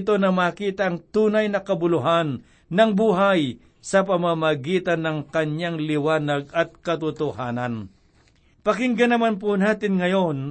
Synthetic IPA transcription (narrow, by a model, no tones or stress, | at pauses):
t̪o̞nɐmaːkiːt̪ɐʔːŋt̪uːnɐjnɐkɐbʊlʊɦanː | ɐŋbuːɦaj | sɐpɐmamɐɡiːt̪ɐnːɐŋkɐɲaŋlɪwaːnɐɡ̚ɐt̪̚kɐt̪ʊt̪ʊhaːnɐn | pɐkɪŋɡɐnɐmanp̬ʊnaːt̪ɪnŋɐjo̞n